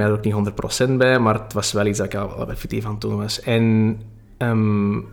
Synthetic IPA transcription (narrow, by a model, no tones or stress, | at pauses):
ɛdəɾokniɦɔnd̪ərt̚pro̰sɛntbɛmarətʋɑsʋɛlˠitzdatɪkjaɛ̰lbɛfik̚tifantunʋɑsɛn | əm